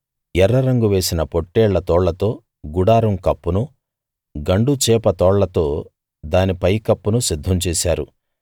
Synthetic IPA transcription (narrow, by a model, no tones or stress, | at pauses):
jɛɾːɐɾɐŋɡuʋe̞ːsinɐpoʈːeːɭːɐt̪ɔːɭlɐt̪o̞ː | ɡuɽaːɾɐmkɐpːunu | ɡɐɳɖut͡ʃɛːpɐt̪ɔːɭlɐt̪o̞ː | d̪aːnipɐjkɐpːunusid̪ʱːɐmt͡ʃeːsaːɾu